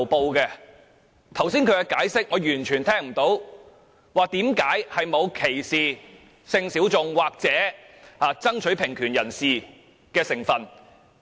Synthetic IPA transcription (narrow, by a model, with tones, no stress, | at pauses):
po˧wkɛ˧ | t̪ʰɐ˨˩wsiː˥nkʰɵ˨˧kɛ˧kaː˨˥jsɪ˥k̚ŋɔː˨˧jyː˨˩nt͡ʃʰyː˨˩nt̪ʰɛː˥ŋm̩˨˩t̪o˨˥w | waː˨˩k̚t̪iː˨˥mkaː˨˥jhɐ˨jmo˨˧wkʰe˨˩jsiː˨˩ | sɪ˧ŋsi˨˥wt͡sʊ˧ŋwaː˨k̚t͡sɛː˨˥ | haː˨˧t͡sɐ˥ŋt͡ʃʰɵ˨˥ɥpʰɪ˨˩ŋkʰyː˨˩njɐ˨˩nsiː˨ | kɛː˧sɪ˨˩ŋfɐ˨˩n